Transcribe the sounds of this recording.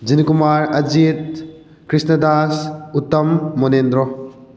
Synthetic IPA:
d͡ʒinikumaɾɐd͡ʒit̚ | kɾisnɐdasutːɐmːonendɾɔ

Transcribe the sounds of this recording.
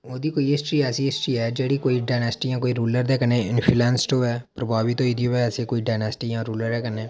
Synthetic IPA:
oːd̪iːkoːiɪsʈɾiːɛːsiɪsʈɾiːɦɛːd͡ʒeːɽiːkoːiɖaːnɛːsʈiːjãːkoːiːɾuːləɾd̪ɛːkənẽːɪnpʰilɛːnsʈoːɛːpɾəbʱaːʋiːt̪oːid̪ioɛɛseːkoːiːɖaːnɛːsʈijãːɾuːləɾɛːkəneː

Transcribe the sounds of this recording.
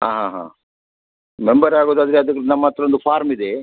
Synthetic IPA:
ɦaːɦãːɦã̰ː | membɐɾaːɡoːd̪aːd̪ɐɾeɐd̪ukːnɐmːaːt̪ɾɐond̪upʰaːɾmid̪e

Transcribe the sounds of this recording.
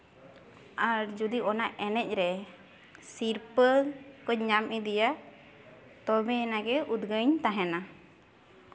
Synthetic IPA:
aɾd͡ʒud̪iɔnaʔʔɛnɛc̚ˀɾɛ | siɾpəlkɔɲɲamʔid̪ija | t̪ɔbɛnaɡɛud̪ɡəɲt̪aɦɛna

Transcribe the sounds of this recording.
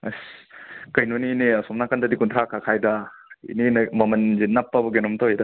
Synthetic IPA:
ɐskɐjnonineasɔmnakandɐdikuntʰɾakʰakʰajdɐḭninmɐmɐnzinːapːɐbɐɡenɔmtɔɦajdɐ

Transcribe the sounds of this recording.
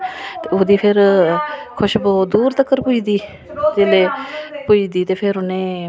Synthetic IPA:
t̪eːoːd̪iːpʰɪɾ | kʰʊʃbɔːd̪uːɾt̪əkːəɾpʊiːd̪iː | d͡ʒeːleːpʊiːd̪iːt̪eːpʰɪɾʊnẽː

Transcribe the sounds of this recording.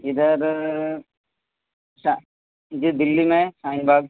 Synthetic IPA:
ɪd̪əɾ | sa | d͡ʒid̪ɪlːimẽsaːɪnbaːɡ

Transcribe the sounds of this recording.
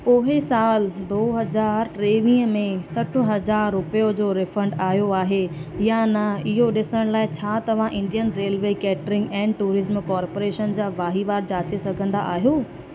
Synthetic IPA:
poːɦesaːld̪oːɦɐzaːɾʈɾeːʋĩːəmẽsɐʈʰʊ̆ɦɐzaːɾːʊpəjod͡ʑoːɾɪfə̃ɳɖaːɦijoaːɦejanɐɪɦoɗɪsəɽ̃laːɪt͡ɕʰaːt̪ɐʋ̤ãʔɪ̃ɳɖijənɾeːlʋeːkɛːʈɾɪ̃ŋɡɛ̃ːnʈuːɾɪzmkaːɾpoːɾeːʃənd͡ʑaːʋaːɦiʋaːɾd͡ʑaːt͡ɕesɐɡʱə̃nd̪a̰ʔaːɦijoː

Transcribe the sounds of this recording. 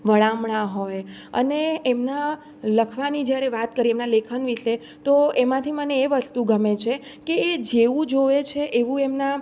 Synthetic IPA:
ʋəɭamɳaɦojə̰neemna | ləkʰʋanid͡ʒjaɾeʋat̪kəɾiemnalekʰənʋiʃe | t̪oemãt̪ʰiməneːʋəst̪uɡəmet͡ʃʰekeːd͡ʒeʋũd͡ʒoʋet͡ʃʰeʔeʋũemna

